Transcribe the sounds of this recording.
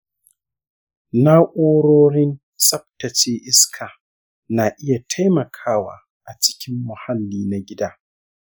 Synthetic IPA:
na˦ʔʷʼoː˦ɽoː˦ɽɪ˦n | sʼɐ˦p̚tɐ˨t͡ʃeː˦ʔɪ˦skʰaː˨ | na˨ʔɪ˦ja˨tʰa˦jmɐ˨kʰaː˦wa̰ː˨ | ʔa˨t͡ʃɪ̥˦kʲɪ˦mːʊ˨ha˦lːiː˦na˨ɡʲɪ˦daː˦

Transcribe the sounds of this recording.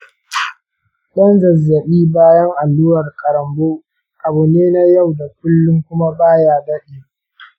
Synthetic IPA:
ɗɐ˦nzɐ˨zːɐ˨ɓiː˦baː˦jɐ˦ŋʔa˨lːʊ˦wɐ˨rkʼɐ˨ɾɐ˨mboː˦ | ʔa˨bu˨neː˦na˦ja˦˨wda˨k̚ʷʊ˦lːʊ˦ŋkʷʊ˦ma˦baː˦jaː˦bɐ˦ɗeː˨

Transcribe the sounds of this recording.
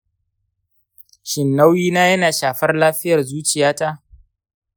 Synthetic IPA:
ʃɪ˨nːa˦wjiː˦naː˦jɐ˦naː˨ʃaː˨ɸɐ˦rlaː˦ɸɪ˦jɐ˨rzuː˦t͡ʃɪ˨jaː˦ta˦ʔ

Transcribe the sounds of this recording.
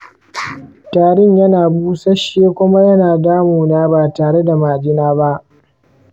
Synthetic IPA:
taː˨ɽɪ˦ɲjɐ˦naː˨buː˦sɐ˦ʃjeː˦kʷʊ˦ma˦jɐ˦naː˨daː˦muː˨naː˦baː˨taː˨ɽe˦da˨maː˨d͡ʒɪ˦naː˦ba˦ʔ

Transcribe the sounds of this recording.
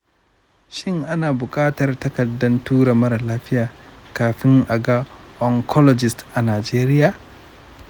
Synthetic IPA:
ʃɪ˦ŋʔa˦naː˨bʊ˨kʼaː˦tɐ˨rtɐ˦kɐ˨dːɐ˦ntuː˦ɽa˨mɐ˦ɾlaː˦ɸɪ˦jaː˨kaː˨ɸɪ˦ŋʔa˨ɡa˦ʔɔ˨ŋkʰɔ˦lɔ˨d͡ʒɪ˨stʔa˨naː˨d͡ʒeː˦ɾɪ˦jaː˨

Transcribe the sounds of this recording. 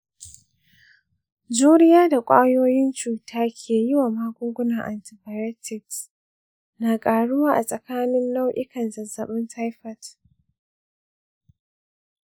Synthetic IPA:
d͡ʒuː˦ɾɪ˦jaː˦da˨kʷʼaː˦joː˦jɪ˦nt͡ʃuː˨tʰaː˦kʲʰeː˨jɪ˦wa˨maː˦ɡʷʊ˦ŋɡʷʊ˦na˨ŋʔa˨ntɪ˨baː˨jɛ˦tɪ˨ks | naː˨kʼaː˨ɽʊ˦waː˦ʔa˨sʼɐ˨kaː˦nɪ˦nːa˦wʔɪ˦kɐ˨nzɐ˨zɐ˨ɓɪ˦nta˦jɸɐ˨t

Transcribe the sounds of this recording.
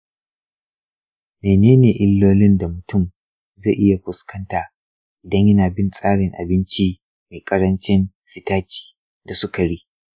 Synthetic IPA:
meː˨neː˦neː˨ʔɪ˦lːoː˦lɪ˦nda˨mʊ˨tʊ˦˨m | ze˦˨ʔɪ˦ja˨ɸʊ˨skɐ˦ntaː˨ | ʔɪ˨dɐ˦ɲjɐ˦naː˨bɪ˦nsʼaː˦ɽɪ˨ŋʔa̰˨bɪ˦nt͡ʃi˦ | ma˨jkʼɐ˦ɾɐ˦nt͡ʃɪ˦n | sɪ˦taː˦t͡ʃi̥ː˨ | da˨sʊ˦ka˨ɽiː˦

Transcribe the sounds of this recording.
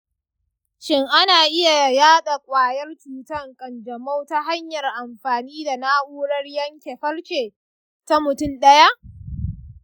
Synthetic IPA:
ʃɪ˦ŋʔa˦naː˨ʔɪ˦ja˨jaː˦ɗa˨kʷʼaː˨jɐ˦rt͡ʃuː˨tɐ˦˨ŋkʼɐ˨nd͡ʒɐ˨ma˦wta˦ɦa˦ɲjɐ˨rʔa˨mɸaː˨niː˦da˨naː˦ʔuː˦ɽɐ˦rjɐ˦ŋkʲe˨ɸɐ˦rt͡ʃeː˨ | ta˦mʊ˨tʊ˦mɗɐ˦ja˦ʔ

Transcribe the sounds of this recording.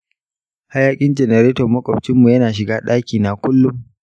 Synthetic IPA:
ha˦jaː˦kʲʼɪ˦nd͡ʒɛ˨nɛ˨ɾeː˦tɔ˨mɐ˦kʷʼɔ˨bt͡ʃɪ˦mːu˨jɐ˦naː˨ʃ̬ɪ˨ɡaː˦ɗaː˦kʲiː˨na˨kʷʊ˦lːʊ˦m

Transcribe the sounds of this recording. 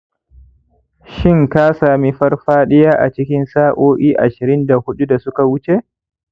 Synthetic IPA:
ʃɪ˦ŋka˦saː˨mi˦ɸɐ˦rɸaː˦ɗɛ˦jaː˦ʔa̰˨t͡ʃɪ˦kʲɪ˦nsaː˦ʔoː˦ʔiː˦ʔa˨ʃɪ˨ɾɪ˦nda˨hʊ˦ɗu˦da˨sʊ˦ka˨wʊ˦t͡ʃe˦ʔ

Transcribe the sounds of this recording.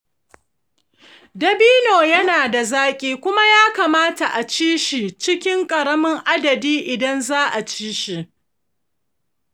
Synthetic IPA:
dɐ˨biː˦noː˨jɐ˦naː˨da˨zaː˦kʲʼiː˦kʷʊ˦ma˦jaː˦kaː˨maː˦ta˨ʔa˨t͡ʃiː˦ʃi˨t͡ʃɪ˦kʲɪ˦ŋkʼɐ˨ɾɐ˦mɪ˦ŋʔa˦dɐ˨diː˦ʔɪ˨dɐ˦nzaː˦ʔa˨t͡ʃiː˦ʃi˨ʔ

